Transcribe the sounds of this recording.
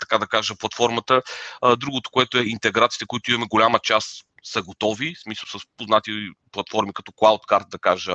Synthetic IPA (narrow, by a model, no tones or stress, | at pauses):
t̪ɐ̥kad̪ɐkaʒəplˠɐt̪fɔɾmət̪əd̪ɾuɡot̪o̥koɛt̪ʊɛint̪ɛɡɾat̪sit̪ɛkoit̪oimɐmɛɡolʲamət͡ʃasː | əɡot̪ɔvismisəlˠsəspoznat̪iplˠɐt̪fɔɾmikɐt̪ɔklˠawt̪kaɾt̪̚d̪ɐkaʒə